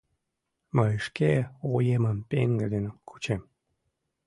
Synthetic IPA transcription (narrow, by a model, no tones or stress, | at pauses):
məjʃkeojeməmpeŋɡəd̪enkʰu̥t͡ɕem